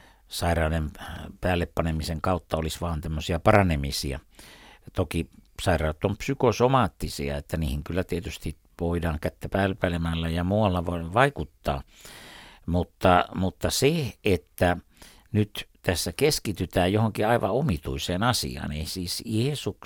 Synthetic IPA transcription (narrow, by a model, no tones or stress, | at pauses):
sɑirɑːnempæːlːeppɑnemiseŋkɑut̪ːɑolisʋɑːnt̪æmːøsiɑpɑrɑnemisḭæ̰ | t̪okisɑirɑˑut̪ːompsykosomɑːt̪ːisiɑ̰et̪ːæniːhiŋkylːæt̪iet̪yst̪i | ʋoidɑːŋkæt̪ːæpæːlpælemælːæjɑmuːɑlːɑʋoʋɑikut̪ːɑ̰ː | mut̪ːɑmut̪ːɑseʔet̪ːæ | nyt̪t̪æsːækeskit̪yt̪æːjjohoŋkiɑiʋɑomit̪uiseːnɑsḭɑ̰ːneisiːsiesuk